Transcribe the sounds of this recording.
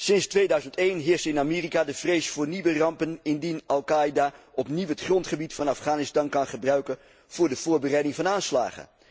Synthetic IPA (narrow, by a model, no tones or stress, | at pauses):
sɪnstʋejdœɥzəntejnɦɪːɹstɪnamiːrikadəv̥rejsfʊːɹniʋərɑmpənɪndinɑlˠkajdaʔɔpniwɦətχrɔntχəbitfɑnafχaːnɪstɑnkɑnχəbrœɥkən | v̥ʊːɹdəv̥ʊːɹbərɛjdɪŋvɑnaːnsla̰ːχə̰